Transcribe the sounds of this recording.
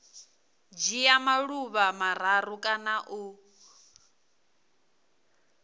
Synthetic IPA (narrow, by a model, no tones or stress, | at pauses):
d͡ʒijamaɺuβamaɾ̤aɾukʼanaʔu